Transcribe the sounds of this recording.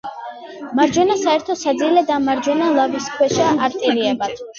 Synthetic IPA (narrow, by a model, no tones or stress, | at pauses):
maɾd͡ʒɔnasaɛɾt̪ʰɔsad̪zilɛd̪amaɾd͡ʒɔnalˠaviskʰwɛʃaaɾt̪ʼɛɾiɛbat̪ʰ